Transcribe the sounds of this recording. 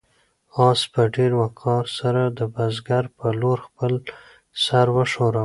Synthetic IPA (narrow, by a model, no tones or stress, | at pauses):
ɑspəɖeɾwakʰɑɾsaɾad̪əbazɡaɾpəloɾxpəl | saɾwəʂoɾa